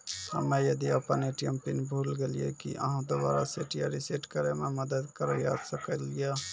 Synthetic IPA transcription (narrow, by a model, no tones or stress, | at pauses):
hə̰mejəd̪iəpəneʈijəmpinbʱuːlɡeliḛkḭʔə̰ɦãd̪oba̰ːɾaseʈijaɾiseʈkəɾememəd̪əd̪kəɾəjaːd̪səkəlija